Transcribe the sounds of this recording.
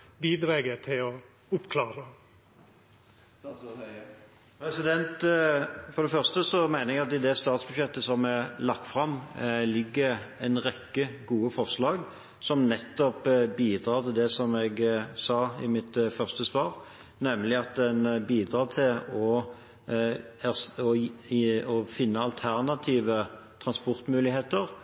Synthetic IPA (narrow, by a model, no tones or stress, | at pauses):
biːd̪ɾɑːɡət̪ʰɪlɔ | ʊpkʰlɑːɾə | pʰɾɛsɪd̪ɛnt̪ | fɔɾd̪ɛfœʁst̪əsɔmæɪnəɛɡɑt̪ɪd̪ɛst̪ɑːt̪sbʉʃjɛt̪ːəsɔmɛlɑk̚t̪fʁɑmlɪɡːəɾɛnɾɛkːəɡuːəfɔʁslɑːɡ | sɔmnɛt̪ːɔpbiːd̪ɾɑːʁt̪ʰɪld̪ɛsɔmɛɡsɑːɪ̰mɪt̪fœʁst̪əsʋɑːɾ | nɛmlɪɑt̪ɛnbiːd̪ɾɑːt̪ʰɪlɔ | æsɔ | ɔfɪnːəɑlt̪ʰæʁnɑt̪ʰiːʋə | t̪ʰʁɑnspɔɾt̪mʉːlɪheːt̪əɾ